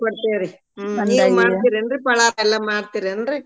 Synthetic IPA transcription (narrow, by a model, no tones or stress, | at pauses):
pɐɽɯt̪ːeːɾɯ | iːmaːɽiɾɛndrɯpɐɭaːɾɛlːɐmaːɽt̪ːiɾɛndrɯ